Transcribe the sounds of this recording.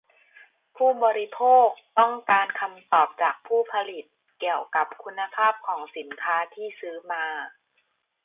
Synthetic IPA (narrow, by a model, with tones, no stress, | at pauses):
pʰuː˥˩bɔː˧ɾi˦˧pʰoː˥˩k̚t̪ɔ˥˩ŋkaː˧nkʰa˧mt̪ɔː˨˩p̚t͡ɕaː˨˩k̚pʰuː˥˩pʰa˧li˨˩t̪̚ | ki˨˩əwka˨˩˦p̚kʰu˧nːa˧pʰaː˥˩p̚kʰɔː˩˦ŋsi˩˦nkʰaː˦˥t̪ʰiː˥˩sɯː˦˥maː˧